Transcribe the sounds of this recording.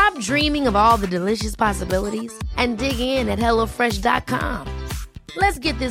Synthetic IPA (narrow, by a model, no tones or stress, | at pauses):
ãɪ̃mdɹĩmɪ̃ŋʌvɔlˠðɨdɨlɪʃɨspʰɑsəbɪlˠəɾiz̥ʔɨ̃ndɪɡɪ̃ŋɪ̃nɨt̚hɛlˠoʊfɹɛʃdɑ̰t̚kʰɑ̰̃mlɨtsɡ̥ɛt̪̚ðɪ